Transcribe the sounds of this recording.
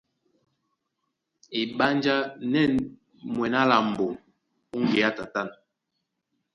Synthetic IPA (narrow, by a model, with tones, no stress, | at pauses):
i˨ɓa˦nd͡ʒa˦nɛ˦˨n | mwɛ˨na˦la˨m̩˨bo˨m | u˦ŋɡe˨a˦ta˨ta˦˨n